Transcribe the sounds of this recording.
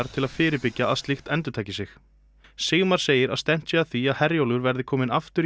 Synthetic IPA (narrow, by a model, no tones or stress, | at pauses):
aɾ̥t̪ʰɪlaðfɪːɾɪpɪcːaːðst̪ɪxt̪ɛnt̪ʏɾt̪ʰaːjcɪsɪx | seːɣmaɾ̥seːjɪɾa̰ðst̪ɛm̥t̪sɛaθiaðhɛɾjowlʏɾvɛɾðɪkʰɔːmɪnaft̪ʏɾ